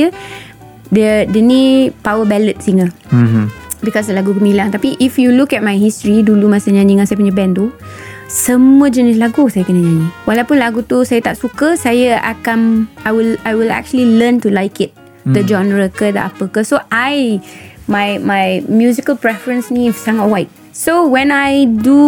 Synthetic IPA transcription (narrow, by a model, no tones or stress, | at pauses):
ə | dədənipawəbɛlət̪̚siŋə | bikɔsdəlaɡukəmilaŋt̪apiʔifjulukɛt̚majɦistɹidulumasəɲãɲiŋãsajəp̬uɲəbɛndu | səmuəd͡ʒənɪs̬laɡusajəkənəɲãɲiŋwalawpunlaɡut̪usajət̪aʔ̚sukəsajəa̰kanajwilajwila̰k̚t͡ʃuəliləntulajkɪt̪̚ | d̪əd͡ʒɔ̃nɹəkəd̪əʔapəkəsoʔajmajmajmjuzikəlpɹɛfɹə̃nsnifsaŋat̚wajt̚ | sowɛ̃najdu